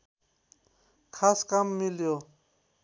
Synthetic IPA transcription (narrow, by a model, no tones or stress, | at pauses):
kʰaskamːiljo